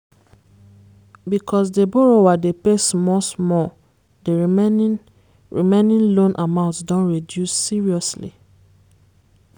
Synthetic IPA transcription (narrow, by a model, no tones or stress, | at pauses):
bikʰɔs̬deboɹowadepesmɔsmɔ | de | ɹimẽnĩnlõnʔamãʊ̃ntsdɔ̃nɹidjusːiɹiɔslḭ